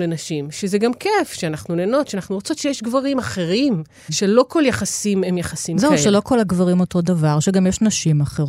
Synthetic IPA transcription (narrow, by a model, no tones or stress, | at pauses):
lenaʃimʃezeɡamkefʃeanaχnuneːno̞t̪ʃeanaχnuʁot͡so̞tʃejeʃɡvaʁimaχe̞ʁim | ʃelo̞ko̞ljaχasimemjaχasimzeuʃelo̞ko̞laɡvaʁimo̞to̞davaʁʃeɡamjeʃnaʃimaχeʁ